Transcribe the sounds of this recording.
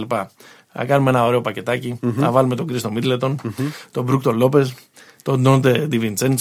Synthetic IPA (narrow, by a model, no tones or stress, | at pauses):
lipɐ | nɐ̰kɐnumenɐo̞ɾe̞o̞pɐce̞t̪ɐcinɐ̰vɐlume̞t̪o̞ɡɾist̪omid̪let̪o̞nt̪o̞bɾukt̪olo̞pe̞s | t̪o̞d̪ond̪ed̪ivint͡sen